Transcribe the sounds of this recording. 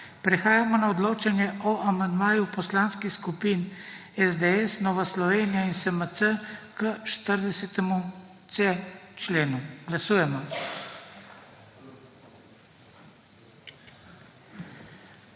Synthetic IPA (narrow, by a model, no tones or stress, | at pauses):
pɾɛxaːjamɔnaɔd̪loːt͡ʃanjɛʔɔʔamand̪maːjupɔslaːnskixskupiːnɛzd̪eɛsnɔːʋaslɔʋeːnijainsəməsəkəʃt̪əɾd̪ɛsɛt̪ɛmu | t̪set͡ʃleːnuɡ̥lasuːjɛmɔ